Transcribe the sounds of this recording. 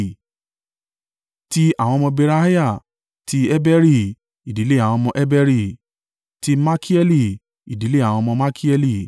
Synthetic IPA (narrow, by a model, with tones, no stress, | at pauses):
ti˦a˦˨w̃ɔ̃˧mɔ̃˧be˧ɾa˦hi˦ja˦˨ | ti˦ɛ˦bɛ˦ɾi˦˨ | i˨di˨˦le˦a˨w̃ɔ̃˧mɔ̃˧ʔɛ˦bɛ˦ɾi˦˨ | ti˦ma˦kʰi˦ɛ˦li˦˨ | i˨di˨˦le˦a˦˨w̃ɔ̃˧mɔ̃˧ma˦kʰi˦ɛ˧li˦˨